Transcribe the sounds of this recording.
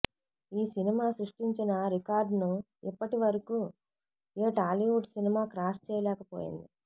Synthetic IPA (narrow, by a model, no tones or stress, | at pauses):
iːsinimaːsɾuʂʈiɲt͡ʃinɐɾikaːɾɖnu | ipːɐʈiʋɐɾɐkuː | eːʈaːliʋuʈsinimaːkɾaːst͡ʃɛːjɐlɛːkɐpo̰ːjḭnd̪i